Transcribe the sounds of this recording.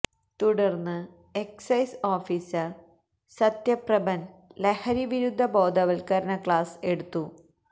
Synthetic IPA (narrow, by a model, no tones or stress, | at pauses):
t̪uɽɐrnːɨ | eksɐjsoːfiːsɐ | sɐt̪jɐprɐbɐnlehɐɾiʋiɾud̪ʱːɐbo̞ːd̪ʱɐʋɐlkɐɾɐɳɐkɭaːse̞ɽut̪ːu